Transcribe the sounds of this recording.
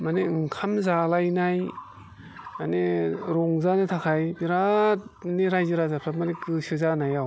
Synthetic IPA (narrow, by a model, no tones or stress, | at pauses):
maneɯŋkʰamzalajnaj | maneɾɔŋzanɯtʰakʰajbiɾat̚neɾajzɯɾazapʰamanekɯsɯzanajaw